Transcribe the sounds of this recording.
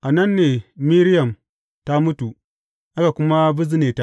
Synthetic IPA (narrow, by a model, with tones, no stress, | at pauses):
ʔa˨nɐ˦nːeː˨mi˦ɾɪ˦jɐ˨m | ta˦mʊ˦tu˨ | ʔa˦ka˨kʷʊ˦ma˦bʊ˦zɪ˦neː˨ta˦